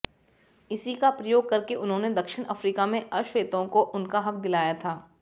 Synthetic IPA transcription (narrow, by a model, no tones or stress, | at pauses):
ɪsikapɾɐjoːɡ̚kɐɾkeʔʊnɦõːned̪ɐkʃɪɽ̃ɐfɾiːkamẽʔɐʃʋeːt̪õkoʔʊnkaɦɐk̚d̪ɪlaːjat̪ʰaː